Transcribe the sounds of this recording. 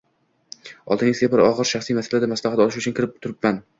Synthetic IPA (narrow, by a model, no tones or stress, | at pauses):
ɒ̰lˠd̪ɪnʲɪzɡʲabɪɾɒʁɨɾʃaχsijmasalad̪amaslahat̪ɒlɪʃʊt͡ʃʰʊnkʰʲɪɾɪp̚t̪ʰʊɾɪpman